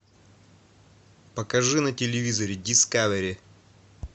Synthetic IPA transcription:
pɐkɐʐɨnɐtʲɪlʲɪvʲizɐɾʲɪdʲiskaveɾʲɪ

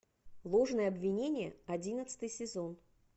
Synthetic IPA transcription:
lˠo̞ʐnəjəɐbvʲɪnʲenʲɪjəɐdʲinət̪sɨ̥t̪ɨjsʲɪzon

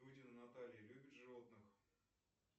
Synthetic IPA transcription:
udʲɪnɨnat̪alʲɪjəlʲʉbʲɪt̪ʐɨvot̪nɨx

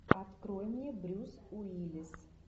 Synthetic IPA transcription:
ɐt̪kɾojɪmjʲebɾʲusʊilʲɪs

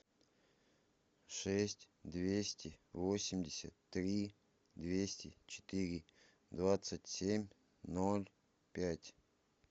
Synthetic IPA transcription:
ʂɛsʲtʲ | d̪vʲesʲtʲɪvosʲɪmdʲɪsʲət̪ːɾʲi | d̪vʲesʲtʲɪt͡ɕɪ̥t̪ɨɾʲɪ | d̪vat̪sɨtʲsʲemʲ | nolʲ | pʲætʲ

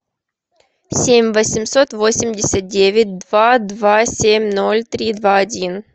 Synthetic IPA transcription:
sʲemʲvəsʲɪmsot̪vo̞sʲɪmdʲɪsʲət̪̚dʲevʲɪt̚ʲd̪vad̪vasʲemʲno̞lʲt̪ɾʲid̪vaɐdʲin

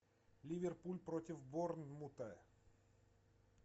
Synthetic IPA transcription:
lʲɪvʲɪrpulʲpɾotʲɪfbornmut̪a

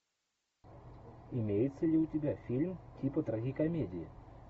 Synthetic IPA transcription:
ɪmʲejɪt̪səlʲɪʊtʲɪbʲafʲilʲmtʲipət̪ɾɐɣʲikɐmʲedʲɪɪ

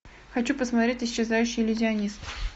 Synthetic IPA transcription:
xɐt͡ɕupəsmɐt̪ɾʲetʲɪsʲːɪzajʉɕːɪjlʲɪzʲɪɐnʲist̪

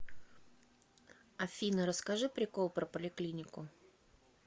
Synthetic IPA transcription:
ɐfʲinəɾəskɐʐɨpɾʲɪko̞lˠpɾəpəlʲɪklʲinʲɪkʊ

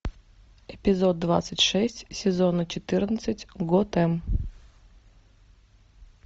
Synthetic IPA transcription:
ɪpʲɪzod̪̚ːva̰t̪sətʲʂɛsʲtʲsʲɪzonət͡ɕɪt̪ɨrnət̪sɨtʲɡot̪ɛm

